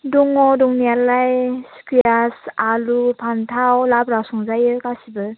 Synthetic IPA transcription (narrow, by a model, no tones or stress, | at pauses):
duŋɔduŋnialajskijasalupʰantʰawlabɾasɔŋzajɯkasibɯ